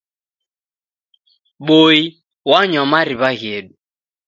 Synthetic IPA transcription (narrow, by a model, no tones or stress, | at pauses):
ɓoi | waɲɔmaɾiβaɣeɗu